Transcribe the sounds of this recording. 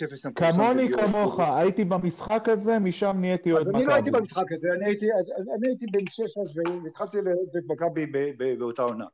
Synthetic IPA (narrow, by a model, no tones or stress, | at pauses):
efesamkamo̞nikamo̞χaait̪ibamisχakaze̞miʃamniet̪iod̪aniloait̪ibamisχakazeaniait̪iaaaniait̪ibenʃeʃasveit̪χalt̪ilezeit̚bakabibebebeot̪aona̰